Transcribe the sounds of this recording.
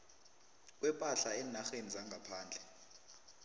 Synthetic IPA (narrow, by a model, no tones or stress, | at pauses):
wɛpʼaɬaɛːnaxenid͡zaŋɡʱapʰaːnd͡ɮʱɛ